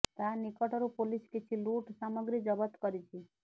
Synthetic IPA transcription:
t̪anikəʈɔɾupoliskit͡ʃʰiluʈsaməɡɾid͡ʒəbət̪kəɾit͡ʃʰi

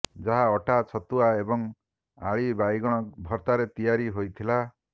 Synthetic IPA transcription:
d͡ʒaɦaɔʈat͡ʃʰɔt̪uaebɔŋ | aɭibajɡɔɽ̃ɔbʱɔɾt̪aɾet̪ijaɾiɦojt̪ʰila

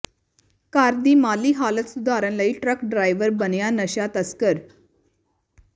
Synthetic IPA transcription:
kaɾd̪iːmaliːɦalət̪sud̪ʱaɾənləiːʈɾəkɖɾajʋəɾbənjanəɕjat̪əskəɾ

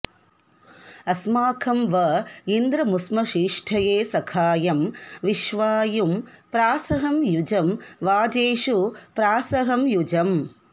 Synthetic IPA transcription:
ɐsmaːkʰɐmʋɐind̪ɾɐmusmɐʃiːʂʈʰɐjeːsɐkʰaːjɐmʋiʃʋaːjumpɾaːsɐɦɐmjud͡ʒɐmʋaːd͡ʒeːʂupɾaːsɐɦɐmjud͡ʒɐm

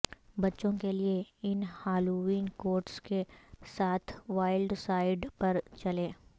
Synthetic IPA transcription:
bɐtːʃõkelieɪnhaːluiːnkoːɾʈskesaːt̪ʰʋaːɪlɖsaːɪɖpɐɾt͡ʃɐleː

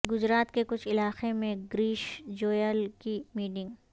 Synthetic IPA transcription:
ɡʊd͡ʒɾaːt̪kekʊt͡ʃʰɪlaːxemẽɡɾiːʃd͡ʒoːjəlkimiːʈɪ̃ŋɡ

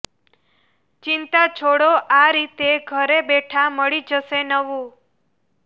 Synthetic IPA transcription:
t͡ʃint̪at͡ʃʰoɽoʔaɾit̪eɡʱəɾebeʈʰaməɭid͡ʒəsenəʋũ

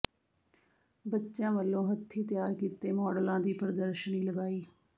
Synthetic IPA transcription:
bətːʃjãːʋəlːõːɦət̪ʰːiːt̪jaːɾkiːt̪eːmɔːɖəlãːd̪iːpəɾəd̪əɾʃəniːləɡaːiː

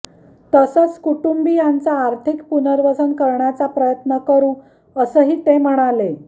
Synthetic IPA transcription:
t̪əsət͡skuʈumbiːjant͡saːɾt̪ʰikpunəɾʋəsənkəɾɳjat͡sapɾəjət̪nəkəɾũː | əsəːɦiːt̪em̤əɽ̃ale

